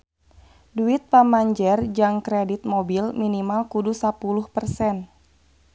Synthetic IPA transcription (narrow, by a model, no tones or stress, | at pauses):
duit̪̚pamaɲd͡ʒɛrd͡ʒaŋkɾedit̪̚mɔbilminimalkudusapuluhpərsɛn